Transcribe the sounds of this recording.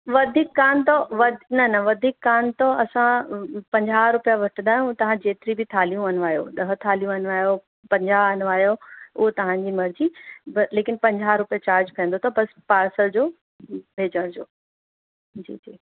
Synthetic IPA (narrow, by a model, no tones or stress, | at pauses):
ʋɐd̪ʱiːkːaːnt̪oʋɐd̪ʱnɐnɐʋɐd̪ʱiːkːaːnt̪oɐsãpɐ̃ɲd͡ʑaːɾʊpijaʋɐʈʰɪ̃nd̪aːɦijũt̪ɐʋ̤ãd͡ʑeːt̪ɪɾibʱɪt̪ʰaːlijũɐnʋaːjo̰ɗɐɦə̆t̪ʰaːlijũɐnʋaːjo | pɐ̃ɲd͡ʑaɐnʋaːjoʊ̰ɦot̪ɐʋ̤ãɲd͡ʑimɐɾd͡ʑibleːkɪnpɐ̃ɲd͡ʑaːɦɾʊpijat͡ɕaːɾd͡ʑkʰɐ̃ə̃n̆d̪ot̪ʰobɐspaːɾsəld͡ʑoː | ʋʱeːd͡ʑəɽ̃d͡ʑo̰ː | d͡ʑḭːd͡ʑiː